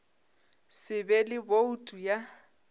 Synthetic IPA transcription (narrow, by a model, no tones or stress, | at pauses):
sɪbɛlɪboutʼuja